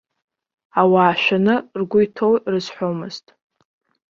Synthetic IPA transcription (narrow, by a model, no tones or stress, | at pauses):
awaːʃʷᶣanɨrɡʷʊjtʰowrɨzħʷomɨztʼ